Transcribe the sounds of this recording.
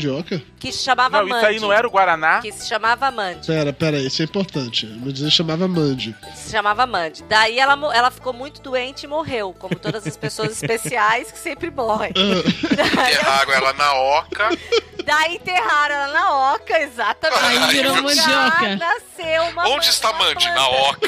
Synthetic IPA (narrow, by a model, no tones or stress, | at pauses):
d͡ʒiɔkɐkɪsɪ̥ʃamavɐɐ̃ainɐ̃w̃ɛɾʊɡwaɾanakɪsɪ̥ʃamavɐmɐ̃d͡ʒɪpɛɾɐpɛɾɐiisɛĩmpoɾt̪ɐ̃t͡ʃɪɐmɐ̃d͡ʒĩɐʃamavɐmɐ̃d͡ʒɪɪsɪʃamavɐmɐ̃d͡ʒɪd̪aiɛlɐmoɛlɐfi̥kowmũj̃t̪ʊd̪uẽnt͡ʃɪɪmoɦewkõmʊt̪od̪ɐzɐspesoɐzɪspesiajskɪ̥sẽmpɾɪmɔhẽj̃ɐd̪at̪ieɦaɾɐ̃ɛlɐnɐɔkɐd̪ait̪eɦaɾ̃ɛlɐnɐɔkɐezat̪ɐmẽiiɾɐ̃mɐ̃d͡ʒiɔkɐnasewmɐõd͡ʒɪst̪amɐ̃d͡ʒɪnaɔkɐ